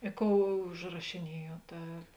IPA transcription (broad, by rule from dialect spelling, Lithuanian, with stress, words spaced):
ɪ ˈkoːʊ ʊʒrɐʃʲɪˈnʲiɛjuɔt ˈɐ